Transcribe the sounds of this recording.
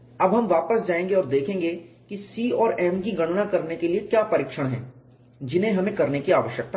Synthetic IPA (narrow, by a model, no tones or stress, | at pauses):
ɐbɦɐmʋaːpəsd͡ʒaːẽːŋɡeɔːɾd̪eːkʰẽːŋɡe | kisiːɔːɾɛːmkiɡɐɽ̃nakɐɾnekeliekjaːpɐɾɪːkʃəɽ̃ɦɛ̰̃ː | d͡ʒɪnɦẽɦɐmẽkɐɾnekiaːʋəʃjək̚t̪a